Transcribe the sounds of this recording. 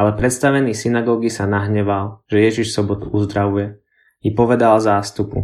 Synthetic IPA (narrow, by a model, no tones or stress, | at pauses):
alɛpɾɛt̪st̪aʋɛniːsinaɡɔːɡisanaɦɲɛʋalʒ̥ɛjɛʒiʃsɔbɔt̪uuzd̪ɾaʋujɛ | ipɔʋɛd̪alzaːst̪upṵ